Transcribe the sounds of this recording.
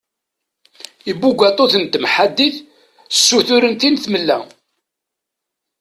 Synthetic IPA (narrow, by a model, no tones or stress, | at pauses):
ibːuɡʷæt̪ˤoθənt̪mħad̪ːiθ | sːuθʊɾənt̪inθməlːæ̰